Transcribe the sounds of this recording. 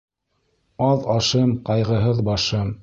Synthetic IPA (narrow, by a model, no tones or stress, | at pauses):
ɑðɑʃɤmqɑjʁɤ̆ɦɤðbɑʃɤm